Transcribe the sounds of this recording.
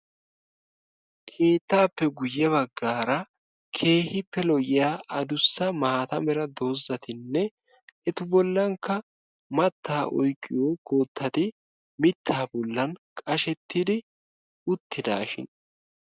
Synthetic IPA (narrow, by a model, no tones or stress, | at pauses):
kʰe̞ːt̪ːaːpːɛɡʊjːɐβɐɡːaːɾɐ | kʰe̞ːhɪpːɛlɔjɪjaːɐd̪ʊsːɐmaːt̪ɐmɛɾɐd̪o̞ːzːɐt̪ɪnːɛ | ɛt̪ʊbɔlːɐŋkːɐ | mɐt̪ʰːaːʔɔjkʼːɪjoːɡo̞ːt̪ʰːɐt̪ɪ | mɪt̪ʰːaːbɔlːɐnkʼɐʃɛt̪ːɪd̪ɪ | ʊt̪ʰːɪd̪a̰ːʃɪ̰n